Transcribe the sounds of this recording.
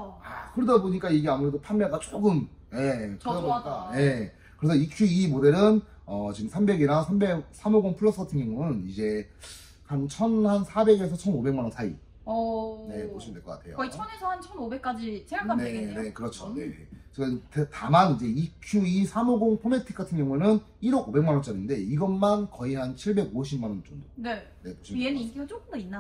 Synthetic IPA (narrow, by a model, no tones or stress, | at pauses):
akɯɾʌdaboɲik͈aiɡe̞amuɾe̞dopʰanmjaɡat͡ɕ͈oɡɯm | je̞kdaboaje̞ | kɯɾesʰʌikʰjuimode̞ɾɯn | ʌt͡ɕiɡɯmsʰambe̞ɡeɾasʰambe̞k̚sʰamoɡoŋpʰuɭːʌs͈ʰʌtʰiŋiŋuŋɯnid͡ʑe̞ | kant͡ɕʰʌnhansʰabe̞ɡe̞sʰʌt͡ɕʰʌnobe̞ŋmanʌnsʰaḭ | ne̞moɕʰimindeɭkʌkatʰe̞̰jo̰kit͡ɕʰʌne̞sʰʌhant͡ɕʰʌnobe̞k͈ad͡ʑit͡ɕeakʰaneene̞kɯɾʌt͡ɕʰone̞t͡ɕtetamanid͡ʑe̞ikʰjuisʰamoɡoŋpʰometʰi̥k͈atʰɯnŋɡjʌŋunɯn | iɾʌɡobe̞ŋmanwʌnt͡ɕ͈ʌɾinde̞iɡʌnmankʌihant͡ɕʰiɭbe̞ɡoɕʰimanʌnt͡ɕ͈ondone | ne̞boɕʰienik͈iɡot͡ɕok͈ɯmdʌinːa